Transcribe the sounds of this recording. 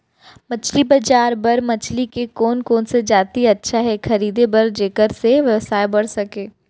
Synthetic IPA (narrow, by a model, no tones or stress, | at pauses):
mɐt͡ʃlibɐd͡ʒaːɾbɐɾmɐt͡ʃlikekoːnkoːnsed͡ʒaːt̪iɐtːʃʰaɦɛxʰɐɾiːd̪ebɐɾd͡ʒeːkəɾseʋjɐʋsaːebɐɽ̤sɐkẽː